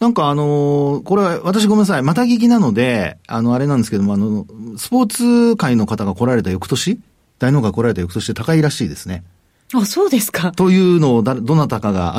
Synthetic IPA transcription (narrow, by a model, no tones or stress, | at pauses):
nãŋkaːno̞ko̞ɾe̞aβat̪aɕ̬iɡo̞me̞nːas̬aimat̪aɡʲek̬ʲinano̞d̪e̞ano̞aɾe̞nãnd̪sɨ̥keomano̞sɨ̥po̞ːt͡sɨkaino̞kat̪aɡako̞ɾaɾe̞t̪ajo̞kɯ̟t̪o̞ɕi | d̪̥aino̞ːkaiko̞ɾaɾe̞t̪ajo̞kɯ̟t̪o̞ɕi̥t̪et̪akaiɾaɕiːd̪e̞sɨne̞ | asoːd̪e̞sɨ̥kat̪o̞jɯ̟ːno̞ːd̪ad̪o̞nːat̪akaɡa̰